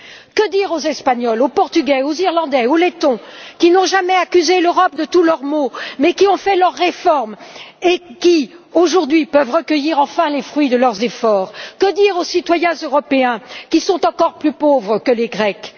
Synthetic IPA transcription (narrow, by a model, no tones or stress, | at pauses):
kəd̪iʁozɛspaɲɔlopɔʁt̪yɡʲɛoziʁlɑ̃d̪ɛolet̪ɔ̃kʲinɔ̃ʒamɛakʲyzeløʁɔp̚d̪ət̪ulœʁmomɛkʲiɔ̃fɛlœʁːefɔʁmekʲioʒuʁd̪ɥipœvʁəkəjiʁɑ̃fɛ̃lefχɥid̪əlœʁzefɔːʁkəd̪iʁosit̪wajɛ̃zøʁɔpeɛ̃kʲisɔ̃t̪ɑ̃kɔʁplypovʁəkəleɡʁɛk